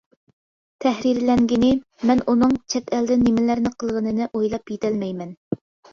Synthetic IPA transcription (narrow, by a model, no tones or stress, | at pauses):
t̪ʰɛhɾiɾlɛŋɡʲinɪmɛnʔunɨŋt͡ʃʰɛt̪æld̪ɪnɪmɪlæɾnɪqʰəlˠʁənɨnɨʔojlˠɑpjet̪ʰælmɛjmɛn